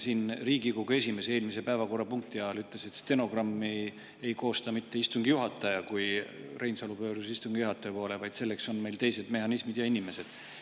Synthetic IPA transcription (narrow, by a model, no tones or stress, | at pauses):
siːnriːɡ̥iko̞ɡ̥ue̞sʲime̞see̞ːlmise̞pæevɑko̞rːɑpuŋk̚t̪iɑlyt̪ˑle̞se̞t̪st̪e̞no̞ɡrɑmːi | ejko̞ːst̪ɑmit̪ːe̞ist̪uŋɡ̥ijuɦɑt̪ːˑɑjɑkuj | rejnsɑlupø̞ːɾuseist̪uŋɡ̥ijuɦɑt̪ːˑɑjɑpo̞ːle̞vɑjd̪̥se̞lːe̞kso̞nme̞jlt̪e̞jse̞d̪me̞ɦɑnismid̪̥jɑinime̞se̞d̪̥